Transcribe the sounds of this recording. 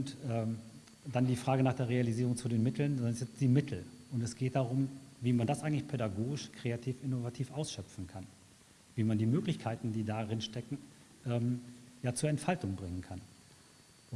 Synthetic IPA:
ʊntʔɛː | d̥andiːfʁ̥aːɡənaːχd̥eːɐʁealiziːʁʊŋt͡sudeːnmɪtʰl̩nzɔnsɛt͡sd̥iːmɪtʰl̩ʔʊntɛsɡ̥eːt̚d̥aʁʊmviːmandasʔaɪɡŋ̩tlɪçpʰedaɡoːɡɪʃkʁ̥eatʰiːfʔɪnovatʰiːfʔaʊsʃœpp͡fn̩kʰan | viːmandiːmøːklɪçkʰaɪtn̩diːdaʁɪnʃtɛkŋ̩ | ʔɛːmjaːt͡suːɐɛntfaltʊŋbʁɪŋənkʰan

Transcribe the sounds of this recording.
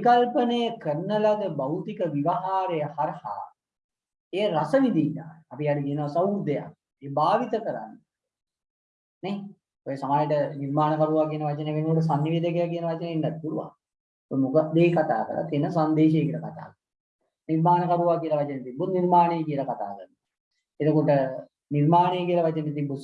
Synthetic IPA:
pikalpənejəkərnəlaɡ̪əbawt̪ikəʋiʋaɦaːɾejəhaɾha̰ | eːɾasəmid̪ina̰apijaɽukijənoʋasawud̪eja̰k | eːbaːʋit̪əkəɾa̰nː | ne | ojəsamaːjəʈəniɾmaːnəkaɾuʋaːkijənəʋat͡ʃəneʋenukoʈəsanːiʋeːd̪ək̬ejak̬iənəʋat͡ʃəneinːat̪̚kuɾuʋa̰ | ojmukəd̪eːkat̪a̰ːkə̰ɾʔa̰t̪enəsand̪eːʃejekilakat̪a̰ːkəɾ | niɾmaːnəkaɾuʋaːkiəlɐʋat͡ʃənet̪ibːut̪niɾmaːnejkiəlakat̪a̰ːkərn | et̪okoʈə | nirmaːnejəkiəlɐʋat͡ʃənet̪ibːu

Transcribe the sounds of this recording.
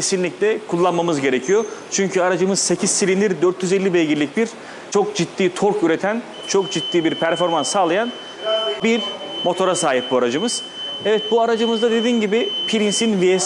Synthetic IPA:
esinlʲiclʲɛkʰulˠːanmamɯzɟe̞ɾecʰijo̞t͡ʃʰyɲcʰyaɾad͡ʒɯmɯz̥se̞cʰiz̥silʲind̪iɾd̪øɾt̪ʰjyze̞lʲːibɛjɟiɾlʲicbiɾ̥ | t͡ʃʰo̞k̚d͡ʒit̪ːiːt̪ʰo̞ɾkyɾe̞t̪ʰæn | t͡ʃʰo̞kd͡ʒit̪ːiːbiɾpʰæɾfo̞ɾmansːaːlˠajan | biɾmo̞t̪ʰo̞ɾasaːɦip̚buaɾad͡ʒɯmɯz̥ | ɛvɛt̪̚buaɾad͡ʒɯmɯzd̪ad̪e̞d̪iːnɟibɪpʰiɾinsinvies

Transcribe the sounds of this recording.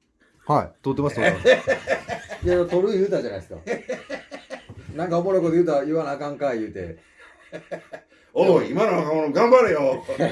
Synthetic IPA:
haḭt̪ot̪ːemaso | jat̪oɾɯjɯ̟ːt̪ad͡ʑanaisɨ̥ka̰ | nãŋkaomoɾokod̪ejɯ̟ːt̪aiβanaːkãŋkajɯ̟ːt̪e̞̰ | oimanoakamonoɡãmbaɾɯjo

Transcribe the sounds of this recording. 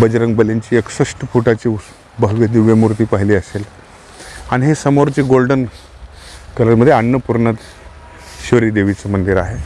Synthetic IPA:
bəd͡ʑɾəŋɡbəleɲt͡ɕiːeksəʂʈəpuʈat͡ɕiː | bəɦɡəd̪iʋjəmuɾt̪iːpaɦiliːəsel | aɽ̃iɦesəmoɾt͡ɕiːɡolɖən | kəɾətməd̪ʱːjeaɳːəpuɾɳət̪ | ɕʋəɾiːd̪eʋit͡səmənd̪iɾaɦe

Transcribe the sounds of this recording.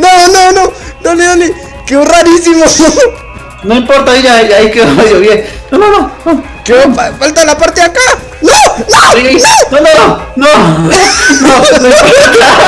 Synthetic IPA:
nononononeoli | keuraɾisimo | noĩmpoɾt̪aiʎaeaikeðaejoβjennononono | kefafalt̪alapaɾt̪eaka | nonoɾiainonononono | nonoot̪aa

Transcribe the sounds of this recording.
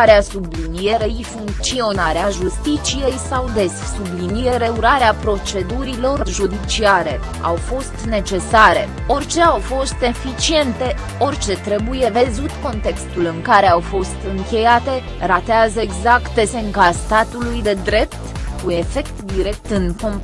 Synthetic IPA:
aɾeasublinije̞ɾeifuŋkt̪sio̞naɾeaʒust̪it͡ʃije̞jsawd̪e̞ssublinijeɾe̞uɾaɾeapɾo̞t͡ʃe̞d̪uɾilo̞rʒud̪it͡ʃiaɾe̞ | a̰wfo̞st̪ne̞t͡ʃe̞saɾe̞ | o̞rʲt͡ʃe̞awfo̞st̪e̞fit͡ʃie̞nt̪e̞ | o̞rt͡ʃe̞t̪ɾe̞buje̞vezut̪ko̞nt̪e̞kst̪ulɨŋkaɾe̞awfo̞st̪ɨŋkʲe̞jat̪e̞ | ɾat̪eazəeɡzakt̪̚d̪e̞se̞ŋkast̪at̪ulujd̪e̞d̪ɾe̞pt̪kue̞fe̞kt̪d̪iɾe̞k̚t̪ɨnko̞m

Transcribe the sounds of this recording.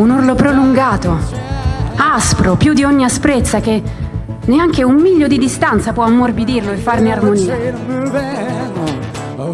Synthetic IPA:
unurlopɾoluŋɡaːt̪o | aspɾopjud̪iɔɲːiaspɾet̪sːak̟e | neaŋk̟eumːiʎːod̪id̪ist̪ant̪sapwɔamːorbid̪irloefːarnearmoniːa

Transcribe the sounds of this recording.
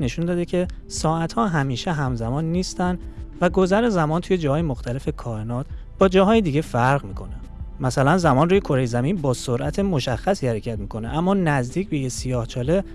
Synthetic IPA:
ne̞ʃund̪ɒːd̪e̞cʰe̞ | sɒːæt̪hɒːɦæmiːʃeɦæmzæmɒːnːiːst̪ænd̪væɡo̞zæɾezæmɒːnt̪ʰujed͡ʒɒːhɒːjemoxt̪ʰæle̞fe̞kʰɒːɾenɒːt̪ʰ | b̥ɒːd͡ʒɒːɦɒːjed̪iːɟe̞fæɾɣmiːkʰo̞ne | mæsælænzæmɒːnruːje̞kʰo̞ɾejezæmiːnbɒːsoɾʔæt̪ʰe̞mo̞ʃæxːæsiːhæɾecʰæt̪̚miːkʰo̞neʔæmːɒːnæzd̪iːcbe̞jesijɒːht͡ʃʰɒːle̞

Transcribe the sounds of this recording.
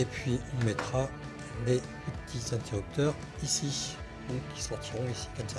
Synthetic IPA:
epɥiɔ̃mɛt̪χa | le | pət̪ʰizɛ̃t̪eʁyp̚t̪œʁ | isi | ukʲi̥sɔʁt̪ʰiʁɔ̃isi̥kɛmsa

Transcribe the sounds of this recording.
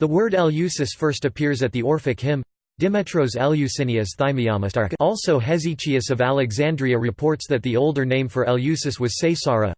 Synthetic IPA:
ðəwɜ˞ɾɛlˠjʉsɨsfɜ˞stɨpʰɪɹzɨt̪̚ðiɔɹfɨkhɪ̃m | d̥ɪmɛtʰɹ̥oʊzɛlˠjʉsɪ̃niɨsθaɪmiɑmɨstɑɹɔlˠsoʊɦɛzit͡ʃʰiɨsʌvælˠɨɡzæ̃ndɹiɨɹɨpʰɔɹtsðɨt̪̚ðioʊlˠdə˞nẽɪ̃ɱfə˞ɛlˠjʉsɨswʌz̥seɪsɑɹɨ̰

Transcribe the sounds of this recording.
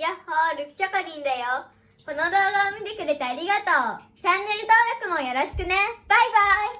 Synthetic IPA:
jahoɾɯkɯ̥t͡ɕakaɲʲind̪ejo | konod̪oːɡamʲid̪ekɯ̟ɾet̪eaɾʲiɡat̪oːt͡ɕanːe̞ɾɯ̟t̪oːɾakɯ̟mojaɾaɕi̥kɯneb̥aibai

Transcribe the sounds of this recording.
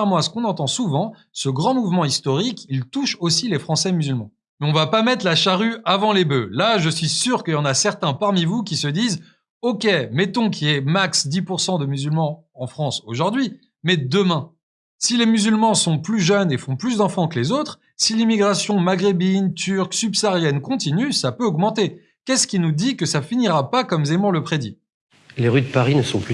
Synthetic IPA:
ʁmɑ̃asə̥kɔ̃nɑ̃t̪ɑ̃suvɑ̃ | səɡʁɑ̃muvmɑ̃ist̪ɔʁikʲilt̪uʃosilefχɑ̃sɛmyzylmɑ̃ | ɔ̃vapamɛt̪χlaʃaʁyavɑ̃lebø̰laʒəsɥisyʁkəjɑ̃nasɛʁt̪ɛ̃paʁmivukʲisəd̪iːz | okʲemɛt̪ɔ̃kʰʲiɛmaksd̪ipuʁsɑ̃d̪əmyzylmɑ̃ | ɑ̃fχɑ̃soʒuʁd̪ɥi | mɛd̪əmɛ̃ | silemyzylmɑ̃sɔ̃plyʒœnefɔ̃plysd̪ɑ̃fɑ̃kəlezot̪χ | silimiɡʁasjɔ̃maɡʁebint̪yʁksybsaʁjɛnkɔ̃t̪inysapøɔɡmɑ̃t̪e | kʲɛskʲinud̪ikəsafiniʁapakɔmzemɔ̃ləpχed̪i | leʁyd̪əpaʁinəsɔ̃ply

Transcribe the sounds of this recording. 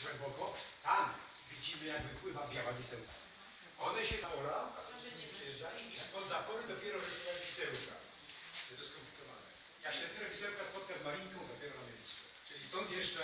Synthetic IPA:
ɡwɛmbɔkɔt̪am | vʲid͡ʑimɘjaɡvɘpwɘvabʲjawavʲisɛwka | ɔd̪ɛɕɛd̪apɔɾaɛɛpʂɛjɛʐd͡ʒajɔ̃mispɔzapɔvɛd̪ɔpʲjɛɾɔɾɛɛvʲisɛwka̰ | ɛzɛskɔmplʲikɔva̰nɛ̰ | jaɕʲɛt̪nɛɾɛvʲisɛwkaspɔt̪̚kazmaɾʲiŋkɔ̃w̃d̪ɔpʲjɛɾɔnamʲjeljst̪ut͡ʂɘlʲist̪ɔnt̪jɛʂt͡ʂɛ

